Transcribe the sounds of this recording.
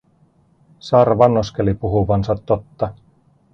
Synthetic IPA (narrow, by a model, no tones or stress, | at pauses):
sɑrʋɑnːoskelipuɦuʋɑnsɑt̪ːot̪ːɑ